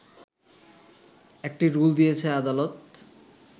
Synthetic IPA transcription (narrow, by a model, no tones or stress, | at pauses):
ek̚ʈiɾuld̪ijet͡ɕʰead̪alot̪̚